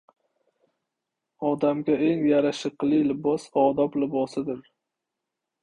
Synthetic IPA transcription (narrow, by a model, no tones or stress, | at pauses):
ɒd̪amɡʲae̞ŋjaɾaʃɪqlˠɪlɪbɒsɒd̪ɒblɪbɒsɪd̪ɪɾ